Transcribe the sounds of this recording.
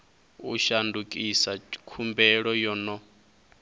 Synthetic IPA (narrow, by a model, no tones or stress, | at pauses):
uʃandukʼisakʰumbɛɺɔjɔnɔ